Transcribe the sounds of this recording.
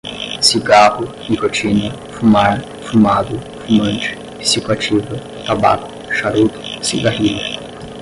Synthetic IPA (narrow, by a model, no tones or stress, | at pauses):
siɡahʊ | nikot͡ʃinɐ | fumaɾ | fumad̪ʊ | fumɐ̃nt͡ʃɪ̥ | isikwat͡ʃivɐ | t̪abakʊ̥ | ʃaɾut̪ʊ̥siɡahilɐ